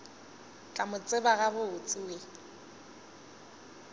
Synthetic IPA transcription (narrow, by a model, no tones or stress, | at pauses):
kʼamʊt͡sʼɪbaɣabʊʊt͡sʼɪwe